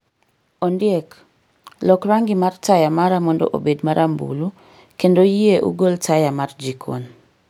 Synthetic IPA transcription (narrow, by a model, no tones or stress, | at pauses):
ɔndɪɛk | lɔkɾaŋɡɪmartajamaɾamɔndɔ̰ʔo̰bedmaɾʔambṵlu | kendojieʔṵɡoltajamard͡ʒikʰo̰n